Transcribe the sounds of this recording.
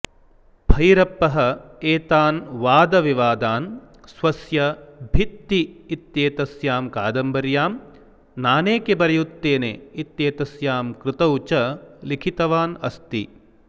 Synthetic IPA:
bʱɐjɾɐpːɐɦɐ̆eːt̪aːnʋaːd̪ɐʋiʋaːd̪aːn | sʋɐsjɐbʱit̪ːiːt̪jeːt̪ɐsjaːmka̰ːd̪ɐmbɐɾjaːm | naːneːkebɐɾɐjut̪ːeːneit̪jeːt̪ɐsjaːmkɾɪt̪ɐwt͡ʃɐlikʰit̪ɐʋaːnɐst̪i

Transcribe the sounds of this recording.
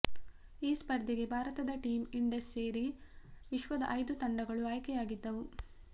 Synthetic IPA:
iːspɐɾd̪iɡe̞bʱaːɾɐt̪ɐd̪ɐʈiːmiɳɖesːe̞ːɾiʋiʃʋɐd̪ɐ̰ʔɐjd̪ut̪ɐɳɖɐɡɐɭuaːjkɛjaːɡid̪ːɐʋu

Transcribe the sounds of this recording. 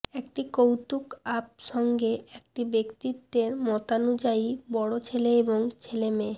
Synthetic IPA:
ekʈikowt̪ukap̚ʃɔŋɡeek̚ʈibekt̪it̪ːeɾmɔt̪anud͡ʑaibɔɽot͡ɕʰeleeboŋt͡ɕʰelemeː

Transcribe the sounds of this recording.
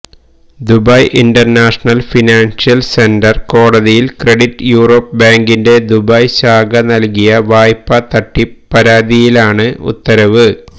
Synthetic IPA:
d̪ubɐjʔinɖɐrnaːʂɐɳɐlfinaːnsijɐlse̞ndɐrko̞ːɽɐðijilkreɽiʈːɨjuːro̞ːpːbaːŋɡinde̞d̪ubɐjɕaːɡɐnɐlkijɐʋaːjpːɐt̪ɐʈːipːɐɾaːd̪ijilaːɳɨṵt̪ːɐɾɐʋɨ

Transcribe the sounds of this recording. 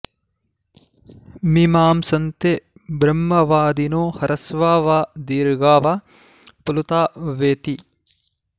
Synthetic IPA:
mimaːmsɐnt̪e | bɾɐmːɐʋaːd̪inoːhɐɾɐsʋaːʋaːd̪iːɾɡaːʋa | pɐlut̪aːʋeːt̪i

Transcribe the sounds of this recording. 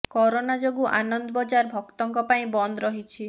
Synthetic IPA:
kɔɾonad͡ʒoɡuʔa̰nɔnd̪ɔbɔd͡ʒaɾbʱɔkt̪ɔŋkɔpaĩbɔnd̪ɔɾɔɦit͡ʃʰi

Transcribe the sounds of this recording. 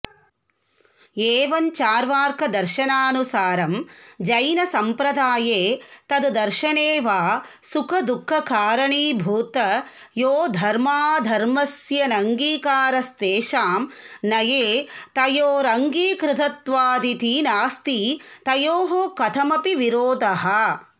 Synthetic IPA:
eːʋɐnt͡ʃaːɾʋaːɾkʰɐd̪ɐɾʃɐnaːnusaːɾɐmd͡ʒɐjnɐsɐmpɾɐd̪aːjeːt̪ɐd̪d̪ɐɾʃɐɳeːʋaː | sukʰɐd̪ukʰːɐkaːɾɐɳiːbʱuːt̪ɐ | joːd̪ʱɐɾmaːd̪ʱɐɾmɐsjɐnɐŋɡiːkaːɾɐst̪eːʃaːmnɐjeːt̪ɐjoːɾɐŋɡiːkɾɪt̪ʰɐt̪ʋaːd̪it̪iːnaːst̪it̪ɐjoːɦoːkɐt̪ʰɐmɐpiʋiɾoːd̪ɐɦɐ

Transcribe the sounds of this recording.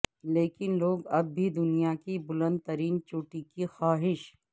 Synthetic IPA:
leːkɪnloːɡɐbːʱid̪ʊnijakibʊlə̃nd̪̚t̪ɐɾiːnt͡ʃʊːʈikixaːɦɪʃ

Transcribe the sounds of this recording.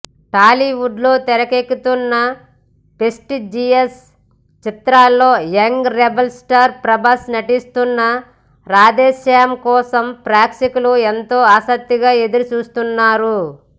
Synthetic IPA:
ʈaːliwuɖlo̞ːt̪ɛɾɐkekːut̪unːɐ | pesʈid͡ʒies | t͡ʃit̪ɾaːlːo̞ːjɐŋɡɾebɐlsʈɐɾpɾɐbɐsnɐʈist̪unːɐ | ɾaːd̪ɛːʃjaːɐmkɔːsɐmpɾaːkʂikuluent̪o̞ːaːsɐk̚t̪iɡaːe̞d̪uɾut͡ʃuːst̪unːaːɾu

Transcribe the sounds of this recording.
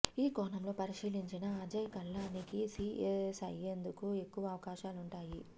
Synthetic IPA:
iːkɔːnɐmlo̞ːpɐɾiʃiːliɲt͡ʃinɐɐd͡ʒɐjkɐlːaːnikisiːʔesɐ̰jːend̪ukue̞kːuʋɐːʋɐkaːʃaːluɳʈaːji

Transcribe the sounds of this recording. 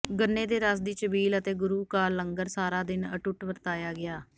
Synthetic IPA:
ɡənːeːd̪eːɾəsd̪iːt͡ʃəbiːlət̪eːɡʊɾuːkaːlːəŋɡəɾsaːɾaːd̪ɪnə̰ʈʊʈʋəɾt̪aːjaːɡɪaː

